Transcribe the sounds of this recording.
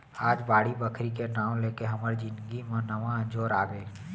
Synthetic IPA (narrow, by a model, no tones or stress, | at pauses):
aːd͡ʒbaːɽibəkʰɾikeʈãːw̃leːkeɦəməɾd͡ʒɪnɡimãnəʋãə̃nd͡ʒoːɾaːɡeː